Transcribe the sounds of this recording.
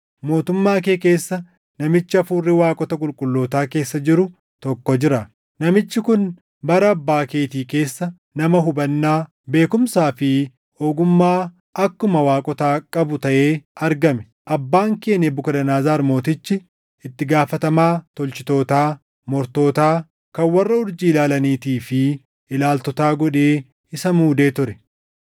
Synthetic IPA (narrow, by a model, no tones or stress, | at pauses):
mo̞ːt̪ʊmːaːkeːke̞ːsːɐ | nɐmɪt͡ʃːɪɐfuːrːɪwaːkʼɔt̪ɐkʼʊlkʼʊlːo̞ːt̪aːke̞ːsːɐd͡ʒɪɾʊ | t̪ɔkːɔd͡ʒɪɾɐ | nɐmɪt͡ʃːɪkʊn | bɐɾɐːbːaːke̞ːt̪iːke̞ːsːɐ | nɐmɐɦʊbɐnːaː | be̞ːkʊmsaːfɪ | oːɡʊmːaː | ɐkːʊmɐwaːkʼɔt̪aːkʼɐbʊt̪ɐʔe̞ːɐɾɡɐmɛ | ʔɐbːaːŋke̞ːnɛbʊkɐd̪ɐnaːzaːɾmo̞ːt̪ɪt͡ʃːɪ | ɪt̪ːɪɡaːfɐt̪ɐmaːt̪ɔlt͡ʃɪt̪o̞ːt̪aː | mɔɾt̪o̞ːt̪aː | kɐnwɐrːɐʊɾd͡ʒiːɪlaːlɐniːt̪iːfɪ | ɪlaːlt̪ɔt̪aːɡɔᶑe̞ː | ɪsɐmuːd̪e̞ːt̪ʊɾɛ